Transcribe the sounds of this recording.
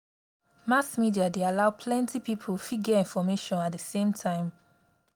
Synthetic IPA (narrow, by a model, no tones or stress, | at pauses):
masmidiadealaʊpʰlɛ̃ntʰipipʰəlfiɡəĩnfɔmeʃɔ̃nat̚dəsẽmtʰãɪ̃m